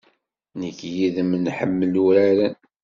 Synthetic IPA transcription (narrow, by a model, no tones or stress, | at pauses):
nəkːjiðəmnħəmːəluɾæɾən